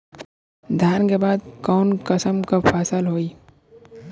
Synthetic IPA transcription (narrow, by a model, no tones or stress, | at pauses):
d̪ʱjaːnkebaːd̪̚kɔːnkəsəmkapʰaːsalɦoːi